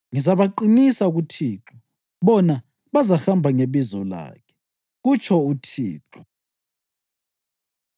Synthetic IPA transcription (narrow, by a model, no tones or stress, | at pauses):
ŋizaβaǃinisaɣutʰiːǁʰɔ | βɔna | βazaxambʱaŋeβizɔla̰ːkʰɛ̥ | ɣut͡ʃʰɔutʰḭːǁʰɔ